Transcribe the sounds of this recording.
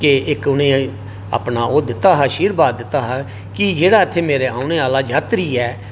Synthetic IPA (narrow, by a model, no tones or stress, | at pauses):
keɪkʊnẽː | a̰ːpnaːʔoːd̪ɪt̪ːaːɦaːʃiːɾbaːd̪ɪt̪ːaːɦa | kɪd͡ʒeːɽaːɪt̪ʰːeːmeːɾeːaːʊneːaːlaːd͡ʒaːt̪ɾiːɛː